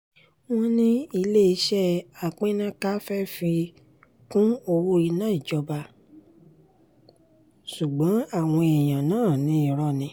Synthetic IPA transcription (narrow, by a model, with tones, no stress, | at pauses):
w̃ɔ̃˦nĩ˦i˧le˦i˧˦ʃɛ˦a˨k͡pẽ˦nã˦ka˦fɛ˦fi˧ | kũ˦o˧wu˦ɾi˧nãː˦i˨d͡ʒɔ˧ba˧ | ʃu˨ɡ͡bã˨˦a˦˨w̃ɔ̃˧e˨j̃ã˨nãː˦˨nĩ˨˦i˦˨ɾɔ˧˨nĩ˨˧˦